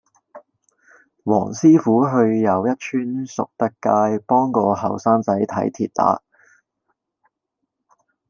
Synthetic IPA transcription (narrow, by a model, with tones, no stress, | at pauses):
wɔ̰ː˨˩ŋsiː˥fuː˨˥ɦɵ˧ɥjɐ˨˧wjɐ˥t̚t͡ʃʰyː˥nsʊ̰˨k̚t̪ɐ˥kːaː˧jpɔː˥ŋkɔː˧hɐ˨˩wsaː˥ŋt͡sɐ˨˥jt̪ʰɐ̰˨˥jt̪ʰḭː˨t̚t̪a̰ː˨˥